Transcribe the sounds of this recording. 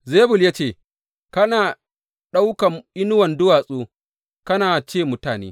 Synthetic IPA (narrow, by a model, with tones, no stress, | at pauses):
zeː˦bʊ˨ljaː˦t͡ʃeː˦˨ | kɐ˦naː˨ | ɗa˦wka˨mʔɪ˦nʊ˦wɐ˨ndʊ˦waː˨sʼoː˦ | kɐ˦naː˨t͡ʃeː˦˨mʊ˦taː˨nḛː˦